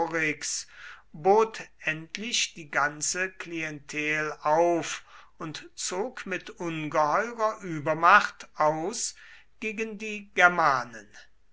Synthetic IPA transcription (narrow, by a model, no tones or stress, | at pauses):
ʁɪksboːtʔɛntʰlɪʃd̥iːɡant͡səkliɛntʰɛːlaʊf | ʊntt͡soːkmɪtʔʊnɡəhɔʏʁɐʔyːbɐmaχtʔaʊs | ɡ̥eːɡəndiːɡɛɐmaːnən